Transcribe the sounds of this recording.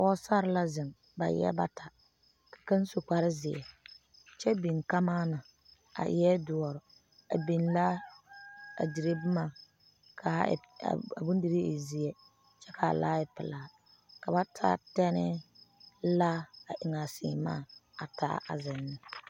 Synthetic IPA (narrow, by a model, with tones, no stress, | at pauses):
ɔ˦sa˦ɾɪ˦la˦zɪ˨n | ba̰˨jɛ̰˦ba˦tʰa˨ | kḁ˨ka˦n˦so˨k͡pa˨ɾɪ˦zɪ˨ɛ̰˨ | t͡ʃɛ˦bi˨n˨ka˦maː˦na˨ | a̰˨jɛ˦dʊ˨ɔ˨ɾɪ˨ | a̰˨bi˨nla˦ | a̰˨di˨ɾe˦bmaː˦˨ | kʰa̰˨a̰˨bʊ˦ndi˨ɾe˦ɪ˨zi˨ɛ˨ | t͡ʃɛ˦kʰa̰˨la̰ː˦ɪ˨pɪ̰˨laː˨ | ka˨ba˦tʰa̰˦tɛ˦nɪ˦ | la˦a˨ʔɪ˨ŋa˨sɪ̰ː˨ma̰ː˦˨a˨tʰa̰˦a˨zɪ˨nːɪ˦